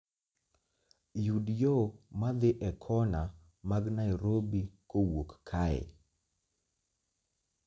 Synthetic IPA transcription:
judjomad̪ɪʔɛkʰɔna | maɡnaɪɾobikowokkʰaɛ̰

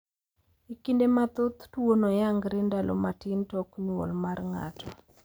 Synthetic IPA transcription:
ikindemat̪ot̪twonojaŋɡɾendalɔ̰matintɔkɲo̰lmarŋa̰tʰɔ

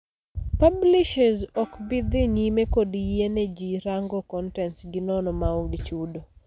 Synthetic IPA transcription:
pablɪʃɛzɔkbɪd̪ɪɲimekodiened͡ʒiɾaŋɡɔkɔntɛnsɡɪnɔnɔmaɔɡit͡ʃudo

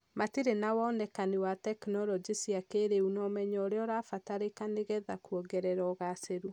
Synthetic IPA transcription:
matiɾenawɔnɛkaniwatɛknɔlɔd͡ʒisiakeɾeunɔmɛɲɔːɾeɔɾafataɾekaneɣɛðakuɔɡɛɾɛɾɔɣaseɾu

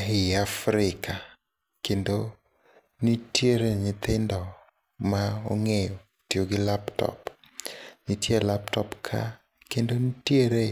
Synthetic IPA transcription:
ɦɪafɾɪka | kendo | nitjeɾeɲɪt̪ɪndɔ | mao̰ŋejo | tjoɡɪlaptɔ̰p | ɲitjelaptɔpkʰa̰ | kendonitjeɾe

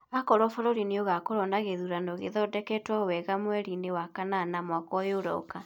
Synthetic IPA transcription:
akɔɾɔfɔɾɔɾineoɣakoɾɔndaɣeðuɾanoɣeðɔdɛkɛtwɔwɛɣamwɛɾinewakananamwakwɔjoɾɔ̰ka

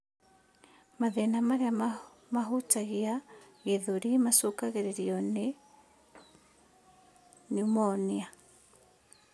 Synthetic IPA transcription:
maðɛnamaɾea | maɦutaɣiaɣeðoɾimasokaɣeɾeɾiɔne | numɔnia

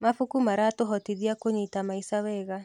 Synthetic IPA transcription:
mafukumaɾatoɦɔtiðiakoɲitamaisawɛːɣa

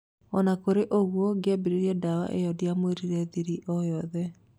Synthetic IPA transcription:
ɔnakoɾeʔoɣwɔɡeɛbiɾeɾiɛdawa̰ʔejɔdiamweɾiɾɛðiɾiʔɔjɔðɛ

